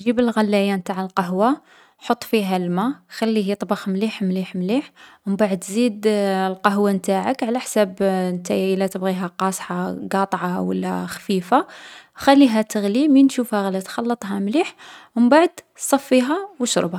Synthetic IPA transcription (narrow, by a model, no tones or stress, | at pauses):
ʒibəlɣælːæjant̪aʕəlqɑɦwa | ħot̪ˤːfiɦælmæxælːiɦit̪ˤɑbɑxmliħmliħmliħməmbaʕəd̪zid̪lqɑɦwamt̪aʕəkʕlæħsæbnt̪æjəlæt̪əbɣiɦæqɑsˤħɑɡɑt̪ˤʕɑwə̰lːæ̰xfifaxælːiɦæt̪əɣliminʃufhæɣælːæt̪xɑlːət̪ˤɦɑmliħməmbaʕəd̪ | sˤɑfːiɦæwəʃɾˤbha